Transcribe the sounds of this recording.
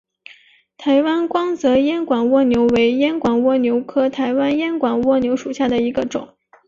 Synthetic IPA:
t̪ʰa˧˥ɪwa˥nkwɑ˥ŋt͡sɤ˧˥jɛ˥nkwa˨˩nwɔ˥˩njo˧˥ʊwe˧˥ɪjɛ˥nkwa˨˩nwɔ˥˩njo˧˥ʊkʰɤ˥t̪ʰa˧˥ɪwa˥njɛ˥nkwa˨˩nwɔ˥˩njo˧˥ʊʂu˨˩ɕja˥˩d̪ə˩i˧˥ɡə˧ʈ͡ʂʊ̰˨˩˦ŋ

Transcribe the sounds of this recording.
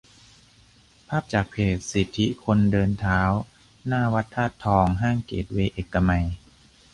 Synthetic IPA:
pʰaː˥˩p̚t͡ɕaː˨˩k̚pʰeː˨˩t̪̚si˨˩t̪ʰːi˦˥kʰo˧ndɤː˧nt̪ʰaː˦˥w | naː˥˩wa˦˥t̪ʰːaː˥˩t̪ʰːɔː˧ŋɦaː˥˩ŋkḛː˨˩t̪̚weː˧ʔeː˨˩kːa˧ma˧j

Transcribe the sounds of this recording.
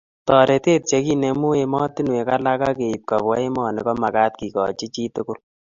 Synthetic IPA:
tɔ˨ɾe˨te˦t̚t͡ʃe˦ki˦ne˧mu˦e˧mɔ˦ti˦nwe˨ka˦la˦ka˦ke˨i˨p̚ka˨bɔ˦e˦mɔ˨ne˨kɔ˦ma˨ka˦t̚ki˨kɔ̰˨t͡ʃi˦t͡ʃi˦tʊ˦kʊ˦l

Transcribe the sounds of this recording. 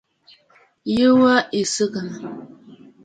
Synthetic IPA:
jə˦wə˦e˨sɨ˦kə˨n˨

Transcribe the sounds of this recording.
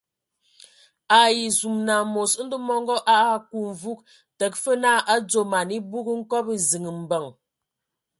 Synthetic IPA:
a˨ji˨zu˨mna˨mo˨sn̩˦də˦mɔ˦ŋɡɔ˦ʔa˦ʔa˦˨ku˨ɱ˨vu˦k | tə˨k̚fə˦na˦˨ʔa˦d͡zo˨ma˨ni˦bu˦kə˦ŋ̩˦kɔ˦pə˦zi˨ŋə˨m̩˨bə˨ŋ

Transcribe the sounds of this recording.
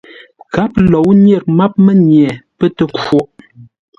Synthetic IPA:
ka˨˦p̚lɔ˨˦wnje˦˨ɾ̚ma˦p̚mə˦ɲjɛ˨pə˦tə˨ko˦˨ʔ

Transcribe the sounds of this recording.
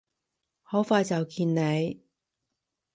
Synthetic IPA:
hɔː˨˥wfaː˧jt͡sɐ˨wkʰiː˧nne˨˧j

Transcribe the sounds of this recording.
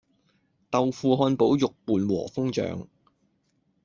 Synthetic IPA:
t̪ɐ˨wfuː˨ɦɔː˧npo˨˥wjʊ˨k̚puː˨nwɔ̰ː˨˩fʊ˥ŋt͡ʃœ̰ː˨˧ŋ

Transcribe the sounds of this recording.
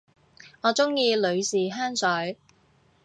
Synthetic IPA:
ŋɔː˨˧t͡sʊ˥ŋjiː˧lɵ˨˧ɥsiː˨˩ɦaː˥nsœː˨˥j

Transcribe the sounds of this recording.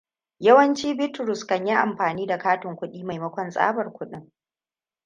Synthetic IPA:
jɐ˦wɐ˦nt͡ʃiː˦bɪ˦tɾʊ˨skɐ˨ɲji˦ʔa̰˨mɸaː˨niː˦da˨kaː˦tɪ˨ŋkʷʊ˦ɗiː˦ma˨jmɐ˦kʷɔ˦˨nsʼa̰ː˦bɐ˨rkʷʊ˦ɗɪ˦ŋ

